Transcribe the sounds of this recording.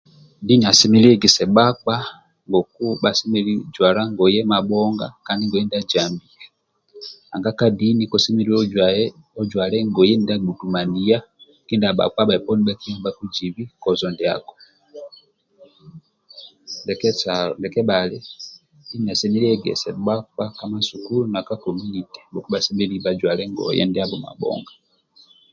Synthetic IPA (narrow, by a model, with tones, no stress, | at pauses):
di˦ni˨a˨si˦mi˦le˦ɡe˨se˨ba˦kwa˦ | ŋɡo˨ku˦βa˦si˦mi˦li˦d͡ʒwa˨la˦ŋɡo˨jɛ˦ma˨bo˦ŋɡa̰˦ka˨ndi˦ŋɡo˨je˦nida˦d͡ʒaː˨mbi˨a | a˨ŋɡa˦ka˦di˦ni˦ko˨si˦mi˦li˦ | o˦d͡ʒwaː˨le˦ŋɡo˨je˦ni˨da˦ɡu˨tu˨ma˨ni˨ja˦ | ki˦nda˨ɓa̰˨kwa˦ba˨i˨pɔ˦ni˦ba˦ki˦ba˦ku˦d͡ʒiβiko˨zo˨ndea̰ko̥ | ndekeandeke˦bale | ina˨semi˦leɡḛ˨sḛwaakamasukuluna˨kakomi˦nite̥buku˦βasi˦milibad͡ʒwa˨leŋɡo̰jḛ˦ndiaβo˨ma̰˨bo̰ŋɡa